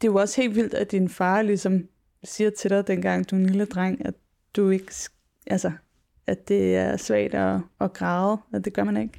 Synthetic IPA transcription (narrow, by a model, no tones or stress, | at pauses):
d̥e̝oɒ̽she̝̰ːldʋil̰d̥æd̥infɑ̈ːlisɒ̽m | siːɐt͡sʰe̝ɾ̥ɑɪd̥en̰ɡ̥ɑ̈ŋ̰d̥ue̝nliləd̥ʁɑŋ̰æ | d̥ue̝ɡ̥s | ʔælsɐ | ʔæd̥e̝æɐsʋæɐ̰d̥ɒːɡ̥ʁɑ̈ð̩ˠæd̥e̝ɡ̥ɶɐmæne̝ɡ̥